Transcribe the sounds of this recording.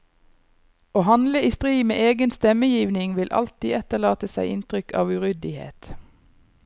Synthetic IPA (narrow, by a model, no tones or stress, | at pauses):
oːhɑnləiːst̪ʁiːɡmḛːʔeːɡənst̪ɛməjiːʋnɪŋʋɪlʔɑ̰lt̪iːɛt̪əʁlɑːt̪əsæɪʔɪ̰nt̪ʁʏkʰɑ̰ːʋʉʁʏd̪ɪhḛːt̪